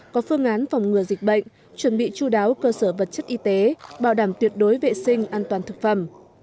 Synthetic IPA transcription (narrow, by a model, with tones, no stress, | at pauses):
kɔ˨˦fɨ˧əŋʔaː˨˦nfa˨˩wŋ͡mŋɨ˨˩əzï˨˩k̟̚ɓə̰˧˨jŋ̟ | t͡ɕwə˧˩nɓḭ˧˨t͡ɕu˧ɗaː˨˦wkəː˧səː˧˩və˨˩t̚t͡ɕə˦˥t̚ʔi˧t̪e˨˦ɓaː˧˩wɗaː˧˩mt̪wi˨˩ət̚ɗo˨˦jvḛ˧˨sï˧ŋ̟ʔaː˧nt̪waː˨˩nt̪ʰɨ˨˩k̚fə˧˩m